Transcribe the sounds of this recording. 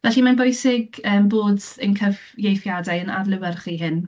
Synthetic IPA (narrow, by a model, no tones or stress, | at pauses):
vɛɬimanbʊjsɪɡəːmboːdənkʰəv | jejfjadajənadlˠɪwɛrχiɦɪn